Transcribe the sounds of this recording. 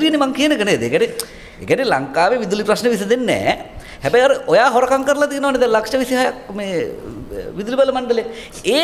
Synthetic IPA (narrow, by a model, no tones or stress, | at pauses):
ɾiənimaŋkijənəkəned̪ḛkʲɛɾe | ḛkʲanela̰ŋkaːʋeʋid̪ulipɾɐsneʋisid̪enːɛ̰ː | ɦɛbɐjɐɾʔojaːɦoɾɐkaŋkəɾlat̪iːnɐʋaned̪ɛlɐkʂɐʋisiɦajakmeː | ʋid̪uɾibɐlɐmɐɳɖəleja | eː